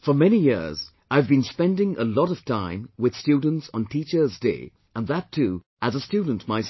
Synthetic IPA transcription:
fə˞mɛnijɪ̰ɹz | aɪvbɨ̃nspɛ̃ndɪ̃ŋʔə̰lɔɾʌv̥tʰãɪ̃mwɨð̥stʉdⁿn̩tsn̩tʰit͡ʃə˞zdḛɪ | ə̃nðətʰːʉ | ʔəzəstʉdⁿn̩tmaɪs

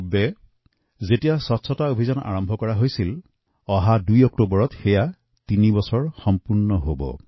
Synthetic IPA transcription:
bɛ | zetijasɔtsʰɔtaobʱizana̰ɹɔmbʱɔkɔɹaɦojsil | ɔɦadujɔk̚tobɔɹɔtxeja | tinibɔsɔɹxɔmpuɹnɔɦobɔ̰

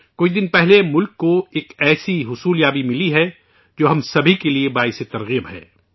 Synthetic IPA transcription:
koːid̪ɪnpɛɦlemʊlkːoeːkɛːsiɦʊsuːljaːbimɪliɦɛ | d͡ʒoːɦɐmsɐbʱikeliebaːɪset̪ɐɾɣiːəbɦɛ̰ː

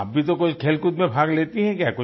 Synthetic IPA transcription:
ap̚bʱit̪okʊt͡ʃʰkʰeːlkʊt̪mẽbʱaːɡleːt̪iɦɛ̃kjaːkʊ

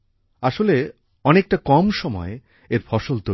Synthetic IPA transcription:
aʃole | ɔnek̚ʈakɔmʃɔmɔe | eɾfʰɔʃolt̪o

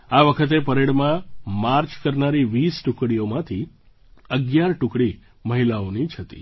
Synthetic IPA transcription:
aʋəkʰət̪̬epəɾeɽmãmaɾt͡ʃkəɾnaɾiʋisʈukɽiomãt̪ʰi | əɡjaɾʈʊkɽi | məɦilaonit͡ʃʰət̪ḭ

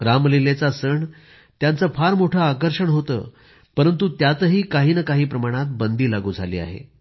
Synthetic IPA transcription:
ɾamlilet͡sasəɳ | t̪jant͡səfʰaɾmoʈʰəakəɾʂəɳɦot̪ə̰ː | pəɾənt̪ut̪jat̪əɦiːkaɦiːnəkaɦiːpɾəmaɽ̃at̪̚bənd̪iːlaɡuːd͡zʱalḭːa̰ɦḛ

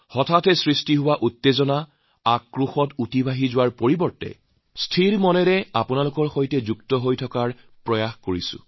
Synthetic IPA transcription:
hɔtʰatɛsɹistiɦʊwaʔutːezɔna | akːɹuxɔtutibʱaɦizʊwaɹpoɹibɔɹtɛ̰ | stʰiɹmɔnɛɾɛapʊnalʊkɔɹxojtɛzuktɔɦojtʰɔkaɹ | pɹɔjaxkoɹisʊ̰̃

